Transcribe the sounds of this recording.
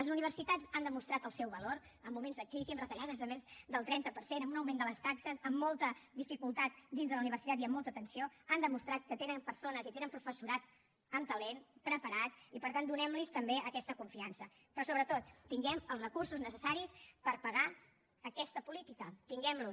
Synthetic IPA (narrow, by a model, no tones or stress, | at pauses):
ləzuniβ̞əɾsit̪ad͡zand̪əmust̪ɾat̪əlˠsɛwβəloɾəmːumenzək̚t̪isimrət̪əʎaðəzəmezd̪əlˠt̪ɾɛnt̪əpəɾsenəmunəwmend̪ələst̪aksəzəmːɔlˠt̪əd̪ifikulˠt̪at̪̚d̪inzðələuniβ̞əɾsit̪at̪iəmːɔlˠt̪ət̪ənsioand̪əmust̪ɾat̪̚kət̪enəmpəɾsonəzit̪enəmpɾufəsuɾat̪ | əmt̪əlenpɾəpəɾat̪ipəɾt̪and̪unɛmlist̪əmbeəkɛst̪əkuɱfiansə | pɾɔsoβɾət̪ot̪ːiŋɡɛməlˠzrəkursuznəsəsaɾispəɾpəɣa | əkɛst̪əpulit̪ikət̪iŋɡɛmlu